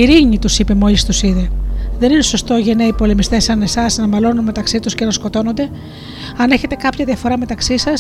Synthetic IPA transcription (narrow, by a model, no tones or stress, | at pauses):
iɾiɲit̪usipe̞mo̞list̪usiðe̞ðe̞nine̞so̞st̪o̞ʝeneipo̞le̞mist̪e̞sɐne̞sɐsnɐmɐlo̞nunme̞t̪ɐksit̪uscenɐsko̞t̪o̞no̞nd̪e̞ | ɐne̞çe̞t̪e̞kɐpçɐðiɐfo̞ɾɐme̞t̪ɐksisɐs